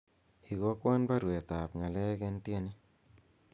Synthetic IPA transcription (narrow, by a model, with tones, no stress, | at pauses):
i˨ɡo˦kwa˦nba˦ɾwe˨ta˨pŋa˨lɛ˦kɛ˦ntje˦ni˦